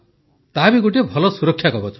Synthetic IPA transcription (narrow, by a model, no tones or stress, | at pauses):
t̪abiɡuʈebʱɔlɔsuɾɔkʰjakɔbɔt͡ʃʰ